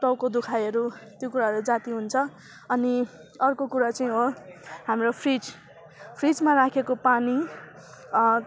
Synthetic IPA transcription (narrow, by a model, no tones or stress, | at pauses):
ʈʌwkod̪ukʰajʌɾut̪jokuɾaɦʌɾud͡zat̪iɦunt͡sʰʌ | ʌni | ʌrkokuɾat͡saĩɦoɦamropʰrid͡z | pʰrid͡zmaɾakʰekopani